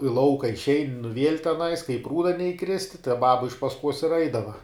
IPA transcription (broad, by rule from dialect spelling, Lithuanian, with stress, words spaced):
ɪ ˈlˠɐʊkɐ ɪʃʲˈɛɪnʲ nʊ ʋʲiɛlʲ tʲɛˈnɐɪs kɐ ɪ ˈpruːdɐ nʲɛɪˈkrʲɪsʲtʲɪ tɐɪ ˈbɑːbɐ ɪʃ pɐsˈkuɔs ɪr ˈɛɪdɐʋɐ